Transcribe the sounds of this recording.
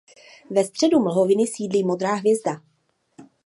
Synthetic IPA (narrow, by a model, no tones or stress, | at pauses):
vɛst̪r̝̥ɛduml̩ɦovɪnɪsiːdliːmo̞d̪ɾaːɦvjɛzda